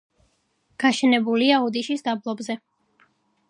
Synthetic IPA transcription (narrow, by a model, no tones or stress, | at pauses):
ɡ̥aʃɛnɛbuliaɔd̪iʃisd̪ablˠɔbzɛ